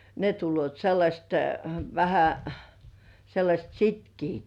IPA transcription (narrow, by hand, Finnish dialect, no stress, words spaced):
ne tulːŭoˑt selːɑsʲt ʋæhæ selːɑsʲt sitkiːt